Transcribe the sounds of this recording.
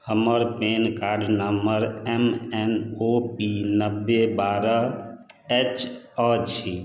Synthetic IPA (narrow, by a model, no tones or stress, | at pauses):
həməɾpenkaɾɖnəməɾɛmɛnopinəbːebaɾə | et͡ʃɔt͡ʃʰi